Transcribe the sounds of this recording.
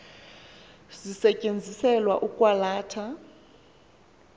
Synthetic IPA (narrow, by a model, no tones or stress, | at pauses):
zisɛcʼend͡zʱisɛlwa̰ʔukʼwalaːtʰa